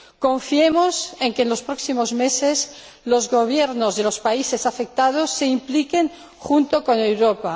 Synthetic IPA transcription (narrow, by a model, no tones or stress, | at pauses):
ko̞ɱfiemose̞ŋkeːnlo̞spɾo̞ksimozmeses | lo̞zɣoβ̞jeɾnozðelospaisesafek̚t̪að̞osːe̞implike̞ŋ | xunt̪oko̞ne̞wɾopa